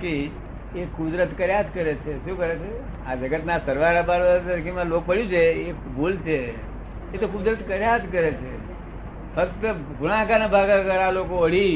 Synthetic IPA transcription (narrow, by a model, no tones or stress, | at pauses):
ki | ekʊd̪ɾət̪kəɾjad̪kəɾet͡ʃʰeʃũkəɾet͡ʃʰe | ad͡ʒəɡət̪nasəɾʋaɾabaɾʋət̪əɾkimãlok̚pəɽjũt͡ʃʰeebʱult͡ʃʰeː | t̪okʊd̪ɾət̪kəɾjad̪kəɾet͡ʃʰe | fəkt̪ə | ɡʊɽãkanebʱaɡakəɾalokoəɽ̤i